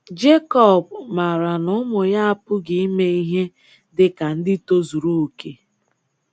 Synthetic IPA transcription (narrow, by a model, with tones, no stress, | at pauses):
d͡ʒe˦kɔ˦˨bma˨ɾa˨nʊ˦mʊ˨ja˦a˦pʊ˦ɡi˨i˦me˦i˦ɦe˦ | dɪ˦ka˨n̩˦dɪ˦to˦zu˨ɾu˦o˨ke˨